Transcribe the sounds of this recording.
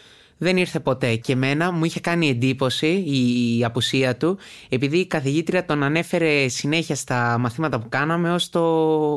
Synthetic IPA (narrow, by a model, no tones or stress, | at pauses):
ðe̞niɾθe̞po̞t̪e̞ce̞me̞nɐmuiçe̞kɐnie̞nd̪ipo̞siːɐpusiɐt̪ue̞piðiːkɐθiʝit̪ɾiɐt̪o̞nɐne̞fe̞ɾe̞sine̞çiɐst̪ɐmɐθimɐt̪ɐpukɐnɐme̞o̞st̪o̞